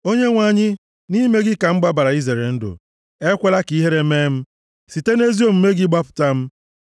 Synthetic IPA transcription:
o˦ɲe˦ŋʷa˨ɲɪ˦ | ni˦me˦ɡɪ˦ka˨m̩˦ɡ͡ba˦ba˨ɾa˨i˦ze˨ɾe˨n̩˦dʊ̰˨ | e˦kʷe˦la˦ki˨i˦ɦe˦ɾe˦meː˦m̩˦ | si˨te˦ne˦zi˦o˦˨m̩˨me˦ɡɪ˦ɡ͡ba˦pʊ̥˨ta˦m̩˦

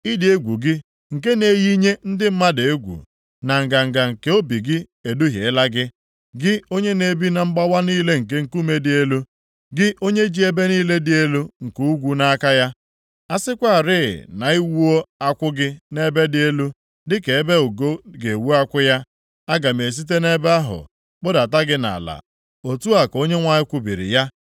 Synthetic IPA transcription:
i˦di˨e˦ɡʷu˨ɡɪ˦ | ŋ̩˨ke˦ne˦ji˦ɲe˦n̩˦dɪ˦m̩˦ma˦de˨e˦ɡʷṵ˨ | na˨ŋ̩˨ɡa˨ŋ̩˨ɡa˨ŋ̩˨ke˦o˦bi˨ɡɪ˦ | e˨du˦ɦḛ˨ɪ˦la˦ɡɪ˦ | ɡɪ˦o˦ɲe˦ne˨bi˦na˨ŋ͡m̩˦ɡ͡ba˦wa˦niː˦le˦ŋ̩˨k̬e˦ŋ̩˨ku˦me˦dɪ˨˦e˦lu˦ | ɡɪ˦ʔo˦ɲe˦d͡ʒi˦e˦be˦niː˦le˦dɪ˦e˦lu˦ŋ̩˨ku˦u˦ɡʷu˦na˦ka˦ja˦ | a˦sɪ˦kʷa˦˨ɾɪ̰˦˨na˨i˦wu˦o˦a˦kʷʊ˦ɡɪ˦ne˦be˦dɪ˦e˦lu˦ | dɪ˦ke˨e˦be˦o˨ɡo˦ɡe˨wu˦a˦kʷʊ˦ja˦ | a˦ɡa˨m˨e˨s̬i˦t̬e˦ne˦be˦a˦ɦʊ̰˨ | k͡pʊ˦da˨ta˦ɡɪ˦na̰˨la̰˨ | o˨tu˦a˨ko˦ɲe˦ŋʷa˦ɲɪ˦kʷʊ˦bi˨ɾɪ̰˨ja˦

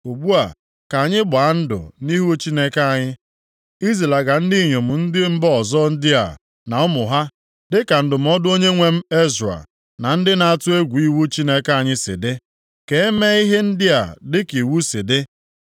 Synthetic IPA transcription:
u˨ɡ͡bu˦a˨ | ka˨a˨ɲɪ˦ɡ͡ba˨a˦n̩˦dʊ̰˨ni˦ɦo˦t͡ʃi˦ne˦ka˦˨a˨ɲɪ˦ | i˦ze˨la˨ɡa˨n̩˦di˦˨ɲo˨m̩˨n̩˦dɪ˦m̩˦bɔ˦ɔ˨zɔ˦n̩˦dɪ˦a̰˨ | na˨ʊ˦mʊ˨ɦa˦ | dɪ˦ka˨n̩˦dʊ˨m̩˨˦ɔ˦dʊ˦o˦ɲe˦ŋʷe˦m̩˦e˦zɾa̰˨ | na˨n̩˦dɪ˦na˨a˨tʊ˦e˦ɡʷu˨i˦wu˦t͡ʃi˦ne˦ka˦a˨ɲɪ˦sɪ̰˨dɪ˦ | ke˨˦e˦me˦i˦ɦe˦n̩˦dɪ˦a̰˨dɪ˦ki˨wu˦sɪ˨dɪ˦

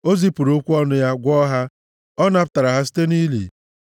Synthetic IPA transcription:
o˦zi˦pu˨ɾo˦kʷu˦ɔ˦nʊ˦ja˦ɡʷɔ˦ɦa˦ | ɔ˦na˦pta˨ɾa˨ɦa˦s̬i̥˦te˦ni˦lḭ˨

